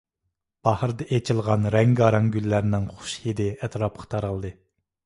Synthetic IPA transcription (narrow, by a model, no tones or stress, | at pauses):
b̥ɑhɾd̪ɨʔet͡ʃʰilˠʁɑnɾɛŋɡɑɾɑŋɡʲylːæɾɪnɪŋχʊ̥ʃhed̪ɪɛt̪ɾɑp̚qʰɑ̥t̪ʰɑɾɑlˠd̪ɨ